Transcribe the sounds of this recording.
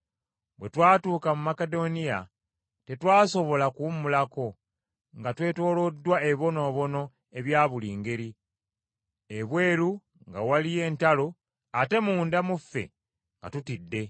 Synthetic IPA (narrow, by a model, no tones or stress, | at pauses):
bwe̞twaːtuːkamumake̞do̞nija | te̞twaːso̞βo̞lakumulako̞ | ŋɡatwe̞ːto̞ːlodːwaeβo̞no̞ːβo̞no̞ | e̞βjaːβuliːŋɡe̞ɾi | eβwe̞ːɾu | ŋɡawalije̞ːntalo | ate̞muːndamufːe̞̰ | ŋɡa̰tutidːe̞